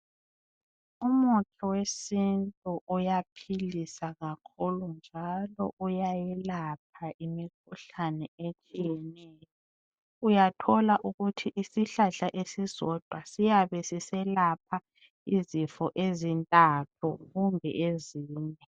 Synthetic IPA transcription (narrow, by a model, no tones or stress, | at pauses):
umukʰɔwesintʼuʔujapʰilisaɣakʰulund͡ʒʱalɔ̰ʔujajɛlap̚ʰaʔimik̚ʰuɬanɛet͡ʃʼijɛnɛːjɔ | ujatʰɔlaʔuɣutʰiʔisiɬaɬaʔesizɔd̥ʱwasijaβɛsisɛlapʰa | izifɔʔezintʼatʰuɣumbʱɛ̰ʔeziːɲɛ